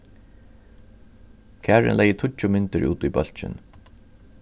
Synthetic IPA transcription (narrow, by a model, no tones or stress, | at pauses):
kʰæːɹɪ̰nlɛjːət̪ʰʊt͡ʃʊmɪnt̪ɪɹʔṵːt̪ujbœl̥t͡ʃɪ̰n